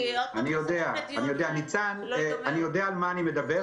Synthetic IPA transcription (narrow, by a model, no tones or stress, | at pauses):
anijo̞d̪eaanijo̞d̪eanit͡sananijo̞d̪eaːlmaːnime̞d̪abe